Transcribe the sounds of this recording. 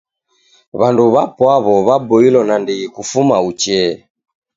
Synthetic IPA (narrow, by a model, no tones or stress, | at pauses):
βanduβapwaβɔβabɔilɔnandiɣikufumaut͡ʃɛ